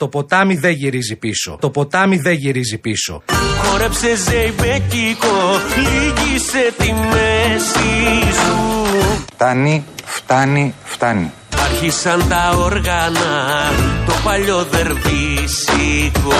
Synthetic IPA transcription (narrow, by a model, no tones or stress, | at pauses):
t̪o̞po̞t̪ɐmiðe̞ʝiɾizipiso̞̰t̪o̞po̞t̪ɐmiðe̞ʝiɾizipiso̞̰xo̞ɾepse̞zejbecikoliʝise̞t̪imesisu | t̪ɐnift̪ɐnift̪ɐnḭ | ɐɾçisɐnt̪ɐoɾɣɐnɐt̪o̞pɐʎo̞ðe̞ɾvisiko